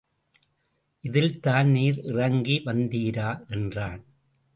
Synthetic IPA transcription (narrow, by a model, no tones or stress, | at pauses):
ʔɪðɪlt̪aːnniːɾɪrɐŋɡiʋɐnd̪iːɾaːʔɛndraːn